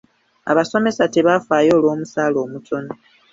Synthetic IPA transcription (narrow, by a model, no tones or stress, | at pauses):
a̰βaso̞me̞sate̞βafaːjo̞ːlwo̞ːmusaːlo̞ːmutʰo̞no